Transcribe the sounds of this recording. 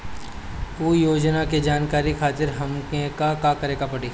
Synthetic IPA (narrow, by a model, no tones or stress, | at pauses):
uːjoːd͡ʒnaked͡ʒaːnkaːɾixʰaːt̪ɪɾɦɐmkẽkakakɐɾeːkapɐɽeː